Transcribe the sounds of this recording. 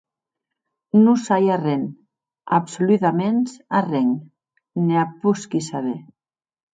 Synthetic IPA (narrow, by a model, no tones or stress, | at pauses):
nusajareŋ | a̰psoliðamensareŋ | neapuskisaβe